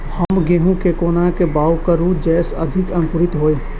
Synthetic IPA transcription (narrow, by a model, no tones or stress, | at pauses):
həmɡeɦũkekoːnakebaːwkəɾũd͡ʒɛːsɐ̰d̪ʱɪkɐnkʊɾɪt̪ɦoːe